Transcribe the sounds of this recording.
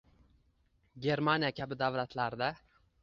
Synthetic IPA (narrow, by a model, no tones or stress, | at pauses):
ɡʲe̞ɾmanijakʲʰabɪd̪avlat̪ʰlaɾd̪a